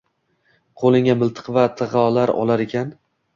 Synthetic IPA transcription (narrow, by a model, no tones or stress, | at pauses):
qʰolˠɪŋamɪlˠt̪ʰɨ̥qvat̪ʰɨʁɒlaɾɒ̰lˠaɾekʲʰan